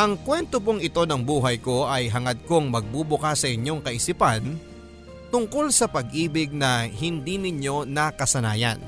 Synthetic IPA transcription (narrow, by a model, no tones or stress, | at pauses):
ʔɐŋkwɛnt̪op̬oŋɪt̪o̞nɐŋbuːɦɐjko̞ʔɐjɦɐŋɐd̪̚ko̞ŋmɐɡ̚bubʊkasːɐʔɪɲo̞ŋkɐʔɪsipɐn | t̪ʊŋko̞lsɐpɐɡʔiːbɪɡ̚nɐhɪnd̪inɪɲjo̞nɐkɐsɐna̰ːjɐ̰n